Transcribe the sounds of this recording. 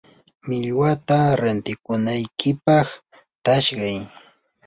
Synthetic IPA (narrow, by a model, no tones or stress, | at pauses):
mɪʎwat̪aɾant̪ɪkʊnajkʰɪpɑχ | t̪aʃɢɑj